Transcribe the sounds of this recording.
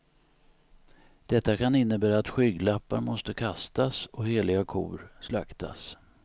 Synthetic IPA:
d̪̥ɛt̪ːakanɪnːəbæːɾaːt̪ɧʏːɡlapːaɾmɔst̪əkʰast̪asɔheːlɪɡakʰṵːɾslakt̪ʰa̰s

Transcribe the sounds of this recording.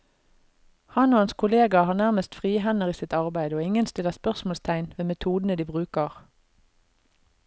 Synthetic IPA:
hɑnoːɑnskʰʊleːɡɑhɑːʁnæʁməst̪fʁiːɦɛnəʁiːsɪt̪ɑʁbæɪd̪oːɪŋənst̪ɪləʁspœʁsmɔːlst̪ʰæɪnʋeːmɛt̪ʰuːd̪n̩əd̪iːbʁʉːkəʁ

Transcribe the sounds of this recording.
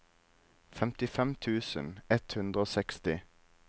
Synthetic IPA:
fɛmt̪ɪfɛmt̪ʰʉːsə̰nɛt̪hʉnd̪ɾəoːsɛkst̪ɪ

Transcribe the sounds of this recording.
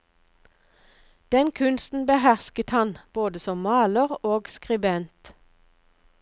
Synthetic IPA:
d̪̥ɛnkʰʉnst̪n̩bəhæʁskət̪hɑnb̥oːd̪əsɔmmɑːləʁoːɡskʁɪbɛnt̪

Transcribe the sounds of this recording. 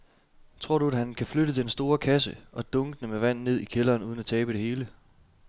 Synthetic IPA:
t͡sʰʁo̝ɐ̰ɾ̥uæhænkʰæfløɾədʰensd̥o̝ːɐkʰæs̬əʔɒ̽d̥ɔ̽ŋɡ̥ənəmeʋæn̰nːe̝ð̰ˠikʰelɐːnuðˠn̩æt͡sʰɛːb̥əd̥e̝he̝ːlə

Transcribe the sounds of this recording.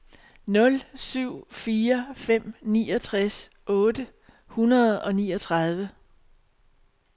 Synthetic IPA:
nɔ̽lsyʊ̰fiːɐfem̰nḭːɒ̽t͡sʰʁas | ʔɔ̽ːd̥ə | hunɐð̞ˠɒ̽nḭːɒ̽t͡sʰʁɑ̈ð̞ˠʋə

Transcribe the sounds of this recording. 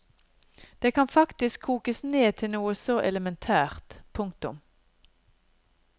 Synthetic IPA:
d̪̥eːkʰɑnfɑkt̪ɪskʰuːkəsneːt̪ʰɪnuːəsoːʔɛləmɛnt̪ʰæːʁt̪pʰʊŋkt̪ʊ̰m

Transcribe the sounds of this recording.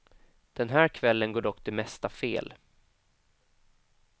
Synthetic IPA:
d̪̥ɛnɦæːɾkʰvɛlːənɡoːɖɔkːt̪ʰɪlmɛst̪afeːl

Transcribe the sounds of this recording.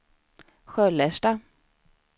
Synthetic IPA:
ɧœlɛʂʈa

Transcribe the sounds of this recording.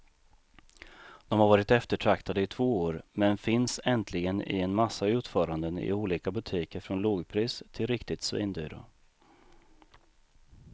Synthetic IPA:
d̪̥ɔmhaɾvɑːɾɪt̪ɛft̪əʈʰɾakt̪ʰad̪əɪt̪ʰv̥oːoːɾmɛnfɪnsɛnt̪ʰlɪɡənɪ̰ɛnmasːaʉ̟ːt̪fœːɾand̪ənɪ̰uːliːkabɵt̪ʰiːkəɾfɾɔnloːɡpʰɾiːst̪ʰɪlɾɪkt̪ɪt̪svḭːnd̪yːɾʊ̰

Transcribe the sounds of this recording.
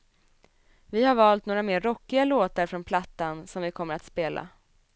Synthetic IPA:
vɪhaɾvɑːlt̪̚noːɾameːɾːɔkːɪɡaloːt̪aɾfɾɔnpʰlat̪ːansɔmvɪkʰɔmːəɾat̪speːlʔa̰

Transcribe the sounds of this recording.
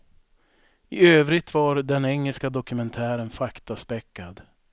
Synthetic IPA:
ɪøːvɾɪt̪vaɾd̪ɛnɛŋːəlskad̪ɔkɵmɛnt̪ʰæːɾənfakt̪aspɛkːad̪

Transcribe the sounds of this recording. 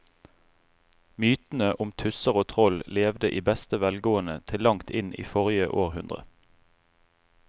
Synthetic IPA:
myːt̪n̩əʔʊmt̪ʰʉsəʁoːt̪ʰʁɔlleːʋd̪əʔiːbɛst̪əʋɛlɡoːənət̪ʰɪlːɑŋt̪ʰɪnḭːfɔʁɪjəʔoːʁhʉnd̪ʁə̰

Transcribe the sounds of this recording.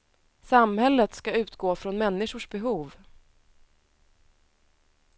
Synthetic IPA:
samhɛlːət̪skaʉ̟ːt̪ɡoːfɾɔnmɛnːɪʂʊʂbɛɦuːv

